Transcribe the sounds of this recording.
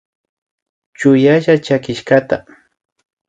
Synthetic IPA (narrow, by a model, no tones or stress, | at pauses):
t͡ʃʊjaʃat͡ʃakɪʃkat̪a